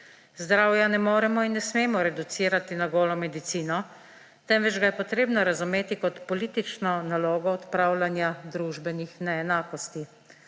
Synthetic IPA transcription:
zd̪ɾaːwjanɛmoːɾɛmɔinːɛsmeːmɔɾɛd̪ut̪siːɾat̪inaɡoːlɔmɛd̪it̪siːnɔ | t̪ɛmʋɛd͡ʒɡajɛpɔt̪ɾeːbnɔɾazumeːt̪ikɔt̪pɔliːt̪it͡ʃnɔnaloːɡɔɔt̪pɾawlanjad̪ɾuːʒbɛnixnɛɛnaːkɔst̪i

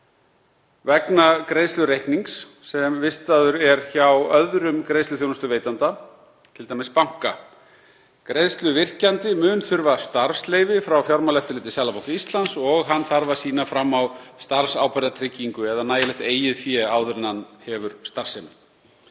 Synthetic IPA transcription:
vɛknakɾejðst̪lʏɾejhkniŋksː | ɛmvɪst̪aðʏɾɛɾçawœðɾʏmkɾejðst̪ʏθjownʏst̪ʏveːjt̪ant̪a | t̪ʰɪlt̪ajmɪspawŋ̥ka | kɾejðst̪lʏvɪr̥cant̪ɪmʏːnθʏɾvast̪aɾfsleːjvɪfɾawfjawɾmalɛft̪ɪlɪːt̪ɪsjalapowt̪ist̪lansɔɣɦanθaɾvasiːnafɾamːawst̪aɾfsa̰wpɛɾðat̪ʰɾɪcːiŋkʏɛðanaːjalɛht̪eːjɪðθjɛːawðɾɪnanhɛvʏɾ̥st̪aɾr̥semɪ

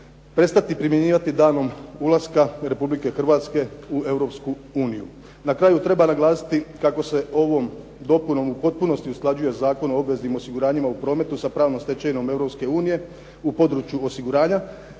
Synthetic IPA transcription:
pɾe̞t̪st̪at̪ipɾimjeɲiːʋat̪id̪aːno̞mulaskaɾe̞publike̞xr̩ʋaːt̪ske̞ue̞vɾo̞psku | uːnijṵ | nakɾaːjut̪ɾe̞banaɡlˠaːsi̥t̪ikako̞se̞o̞ʋo̞m | d̪o̞puno̞mupo̞t̪̚puno̞st̪iusklˠad͡ʑuje̞zaːko̞no̞obʋe̞znimo̞siɡuɾaːɲimaupɾo̞ːme̞t̪usapɾaːʋnomst̪e̞t͡ɕeno̞me̞vɾo̞pske̞uːnije̞ | upo̞d̪ɾut͡ʃjuo̞siɡuɾaːɲa

